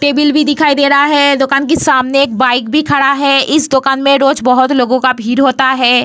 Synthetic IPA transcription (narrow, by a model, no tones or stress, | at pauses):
ʈeːbɪlbʱid̪ɪkʰaːid̪eːɾaɦaɦɛd̪ʊkaːnk̬esaːmneeːk̚baːɪk̚bʱikʰɐɽaɦɛɪsd̪ʊkaːnmẽɾoːd͡ʒbɐɦʊt̪loːɡõkabʱiːɾɦoːt̪aɦɛː